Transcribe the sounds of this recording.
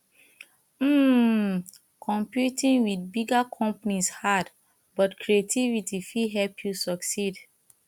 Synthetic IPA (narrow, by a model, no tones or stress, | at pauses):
m̩ | kʰɔ̃mpjutĩnwidbiɡakʰɔ̃mpanishad | bɔtkʰɹietivitifiɦɛlpʰjusɔksid